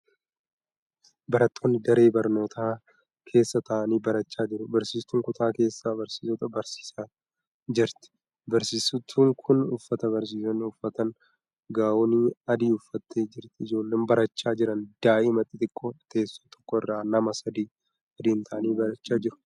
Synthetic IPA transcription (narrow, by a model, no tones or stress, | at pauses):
bɐɾɐt̪ʰːo̞ːnːɪd̪ɐɾe̞ːbɐɾno̞ːt̪ʰaː | kʰe̞ːsːɐt̪ʰɐʔɐniːbɐɾɐt͡ʃːaːd͡ʒɪɾʊbɐɾsiːst̪ːuːŋkʊt̪aːke̞ːsːaːbɐɾsi̥ːsɔt̪ɐbɐɾsi̥ːsaː | d͡ʒɪɾt̪ɪ̥ | bɐɾsiːsʊt̪ʰːuːŋkʰʊnʊfːɐt̪ɐβɐɾs̬iːsɐnʊfːɐt̪ɐn | ɡaːwoniɐd̪iːʊfːɐt̪ːeːd͡ʒɪɾt̪ɪɪd͡ʒo̞ːlːe̞ːnbɐɾɐt͡ʃːaːd͡ʒɪɾɐnd̪̥aːʔɪmɐt̪ʼːɪt̪ɪkʼːɔt̪eːsːoːt̪ɔ̥kːɔɪrːaːnɐmɐsɐd̪iː | ɐd̪iːnt̪ʰɐʔɐniːbɐɾɐt͡ʃːaːd͡ʒɪɾʊ̥